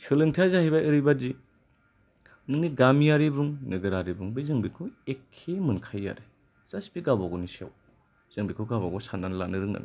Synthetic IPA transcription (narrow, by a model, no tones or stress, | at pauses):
sʰɯlɯŋtʰjazahajbaʔɯɾibadi | nɯŋniɡamijaɾibuŋnɯɡɯɾaɾibuŋbizɯŋbikʰuekʰːemɯnkʰajːa̰ɾe | z̥asbiɡabaɡɔnisa̰w | z̥ɯŋbikʰuɡabaɡɔsandanla̰nɯɾɯŋna̰n